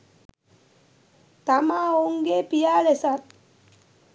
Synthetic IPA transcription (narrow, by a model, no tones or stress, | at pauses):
t̪amaoŋɡepijaːlesat̪̚